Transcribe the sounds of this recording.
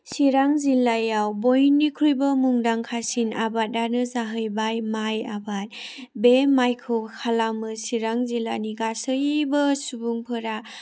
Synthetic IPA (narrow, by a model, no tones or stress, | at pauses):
siɾaŋzilːajawbojnːikʰɾujbɯmuŋdaŋkʰasinabat̚ːanɯzaɦɯjbajmajabat̚bemajkʰɯwkʰalamɯsiɾaŋzilaniɡasɯjbɯsubuŋpʰɯɾa